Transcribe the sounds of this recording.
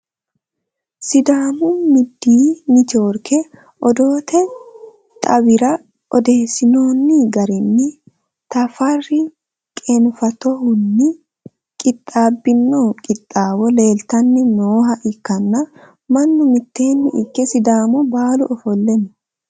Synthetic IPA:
sɪd̪aːmʊmɪd̪ːiːnɪt͡ʃo̞ːɾkʰɛ | ʔɔd̪o̞ːt̪ʰɛ | t̪ʼɐbɪɾɐ | ʔɔd̪e̞ːsɪnoːnːɪɡɐɾɪnːɪ | t̪ɐfɐrɪ | kʼenʊfɐt̪ɔhʊnːɪ | kʼɪt̪ʼːaːbːɪnːoːkʼɪt̪ʼːaːwɔle̞ːlt̪ɐnːɪnoːɦɐʔɪkːɐnːɐ | mɐnːʊmɪt̪ːe̞ːnːɪʔɪkːɛsɪd̪aːmʊbaːlʊʔɔfɔlːɛmʊ

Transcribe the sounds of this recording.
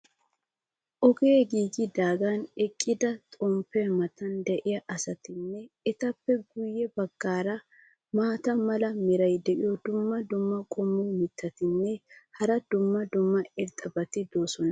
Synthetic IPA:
ʔɔɡeːɡiːɡɪd̪aːɡanɛkʼːɪd̪ɐt̪ʼɔmpːɛmɐt̪ɐnd̪ɛʔɪjɐʔɐsɐt̪ɪnːɛ | ɛt̪ɐpːɛɡʊjːɛbɐɡːaːɾɐ | maːt̪ɐmɐlɐmɪɾɐjd̪ɛʔɪjɔd̪ʊmːɐd̪ʊmːɐkʼɔmːumɪt̪ʰːɐt̪ɪnːɛhɐɾɐd̪ʊmːɐd̪ʊmːɐɪɾt̪ʼːɐbɐt̪ɪd̪o̞ːsɔnɐ

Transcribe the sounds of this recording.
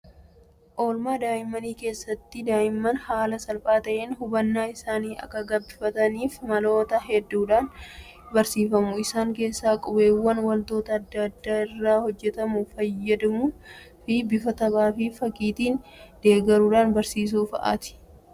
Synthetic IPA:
ʔo̞ːlmaːd̪aːjɪmːɐniːke̞ːsːɐt̪ːɪd̪aːjɪmːɐnhaːlɐsɐlpʼaːt̪ɐʔeːnhʊbɐnːaːɪsaːniːɐ̰kːɐɡɐbːɪfɐt̪ɐniːfmɐlo̞ːt̪ɐɦɛd̪ːuːᶑaːn | bɐɾsiːfɐmʊɪsaːŋke̞ːsːaːkʼɔbeːwːɐnwɐlt̪o̞ːt̪ɐːd̪ːɐɐd̪ːaːɪrːaːhɔd͡ʒːɛt̪ɐmʊfɐjːɐd̪ɐmu | fɪbɪfɐt̪ɐbaːfɪfɐkʼiːt̪iːnd̪̥e̞ːɡɐɾuːᶑaːnbɐɾsiːs̬uːfɐʔa̰ːt̪ɪ̥

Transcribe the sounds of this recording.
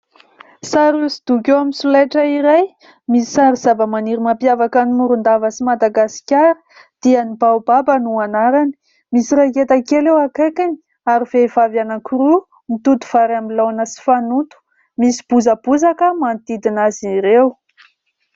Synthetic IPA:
saɾusid̪̥ukewaminsulajʈ͡ʂəiɾaj | misi̥saɾiz̥avəmaniɾimapjavakanimuɾund̪avəsimad̪aɡasi̥kʲaɾi̥ | d̪̥ianibawbabənuanaɾani̥ | misiɾaket̪akelewakajkanii | aɾiv̥evavjanakuɾu | mit̪ut̪u̥v̥aɾamilawanəsi̥fanut̪u̥ | misi̥b̥uzəbuzakəmant̪id̪inaziɾew

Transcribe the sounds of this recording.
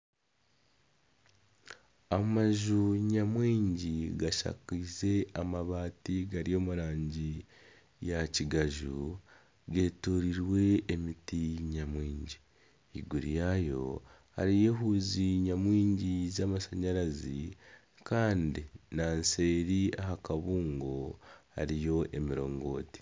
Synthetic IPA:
amaʒuɲamwiːɲɟiɡaʃa̰kize̞amaβaːtiɡaɾijo̞ːmuɾaːɲɟi | jaciɡaʒu | ɡe̞toɾiɾwe̞ːmitiɲamwiːɲɟi | ḭɡuɾijajo̞̰ | ha̰ɾije̞ɦuziɲamwiːɲɟizaːmasaɲaɾazi | kaːndinanse̞ːɾiaɦakaβuːŋɡo̞ha̰ɾijo̞ʔe̞miɾo̞ːŋɡo̞̰ːti̥

